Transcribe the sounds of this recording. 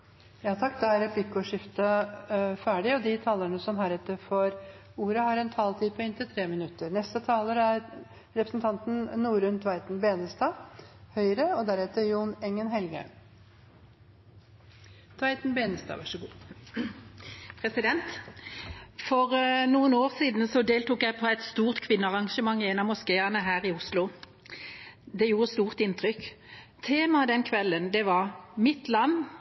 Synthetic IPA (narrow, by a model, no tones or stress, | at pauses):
jɑːt̪ʰɑkːd̪ɑæɾɛpʰlɪkːɔʂɪft̪ə | fæːɖɪɔd̪ɪt̪ʰɑːlːəɳəsɔmɦæːɾɛt̪ːəɾfɔɾ | uːɾəhɑɾɛnt̪ʰɑːlt̪ʰiːpʰɔɪnt̪ɪlt̪ʰɾeːmɪnʉt̪ːəɾnɛst̪ət̪ʰɑːləɾəæɾ | ɾɛpɾəsn̩t̪ʰɑnt̪n̩nuːɾʉnt̪ʰʋæɪt̪n̩beːnəst̪ɑːhœʏɾəɔd̪æɾɛt̪əɾjuːnɛŋːənɦɛlɡə̰ | t̪ʰʋɑɪt̪n̩beːnəst̪ɑ̰ːʋɑʂəɡ | pʰʁɛsɪd̪ɛnt̪ | fɔʁnuːənoːʁsiːd̪n̩sɔd̪eːlt̪uːkjæɪpʰoːæɪt̪st̪uːʁt̪kʰʋɪnːəɑʁɑŋʃəmɑŋːeːnɑmʊskeːɑnəɦæːʁɪʊslʊ | d̪ɛjuːʁəst̪uːʁt̪ɪnt̪ʁʏkt̪ʰeːmɑd̪ɛnkʰʋɛlːənd̪ɛʋɑʁmɪt̪lɑnː